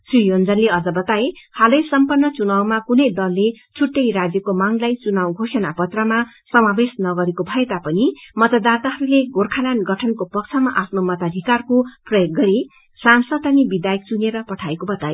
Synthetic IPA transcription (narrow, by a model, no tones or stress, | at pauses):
srijond͡zʌnleʌd͡zʌbʌt̪aehalʌjsʌmpʌrnːʌt͡sunawmakunʌjd̪ʌlːet͡sʰuʈːʌjrad͡zjʌkomaŋlajt͡sunawɡʱosʌnapʌt̪rʌma | sʌmabesnʌɡʌɾekobʱʌet̪apʌnimʌt̪ad̪art̪aɦʌɾuleɡorkʰananɡʌʈʰʌnkopʌk̚t͡sʰʌmaʔapʰnomʌt̪ad̪ʱikarkoprʌjok̚ːʌɾi | sansʌd̪anibid̪ajʌk̚t͡suneɾʌpʌʈʰaekobʌt̪aje